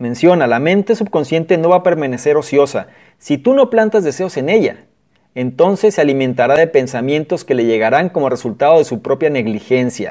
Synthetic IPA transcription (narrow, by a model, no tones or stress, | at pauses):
mẽ̞nsjo̞nalamẽ̞nt̪e̞sub̚ko̞nsje̞nt̪e̞no̞βape̞ɾmãne̞se̞ɾo̞sjo̞sa | sit̪uno̞plant̪azðese̞o̞se̞ne̞ʝa̰ | e̞nt̪o̞nse̞sːealimẽ̞nt̪aɾaðe̞pe̞nsamjẽ̞nt̪o̞ske̞le̞ʝe̞ɣaɾaŋko̞mo̞re̞sult̪að̞o̞ð̞e̞supɾo̞pjane̞ɣlixe̞nsja̰